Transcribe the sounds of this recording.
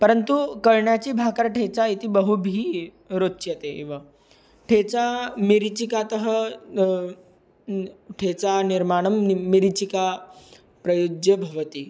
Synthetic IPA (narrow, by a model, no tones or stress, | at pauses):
pəɾənt̪ukəɭɳjat͡ɕiːbʱakəɾʈʰet͡sait̪iːbəɦubʱiː | ɾotːɕjət̪ḛʋa | ʈʰet͡samiɾit͡ɕikat̪əɦə | ʈʰet͡saniɾmaɽ̃əmːiɾit͡ɕika | pɾɐjod͡ʒjəbʱɐʋət̪i